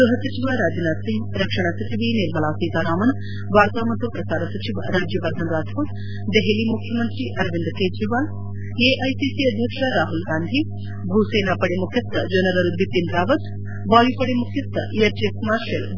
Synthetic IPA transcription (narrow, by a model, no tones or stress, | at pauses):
uɦɐsɐt͡ʃiʋaɾaːd͡ʒinaːd̪siŋɡɾɐkʂɐɳasɐt͡ʃiʋiniɾmɐlaːsiːt̪aːɾaːmɐn | ʋʱaːɾt̪aːmɐt̪ːupɾɐsaːɾɐsɐt͡ʃiʋa̰ɾaːd͡ʒjɐʋɐɾd̪ʱɐnɾaːt̪ʰuːt̪ | d̪eɦelimukʰjɐmɐnt̪ɾiʔɐɾʋind̪keːd͡ʒɾiʋaːl | eːʔɐjsisiɐd̪ʱjɐkʂɐɾaːɦulɡaːnd̪ʱi | bʱuseːnaːpɐɽemukʰjɐst̪ːɐd͡ʒɐnɐɾɐɾubʱipind̪ɾaːʋɐt̪ | baːjipɐɽemukʰjɐt̪ʰːɐ̰eɾd͡ʒesmaːɾʃɐl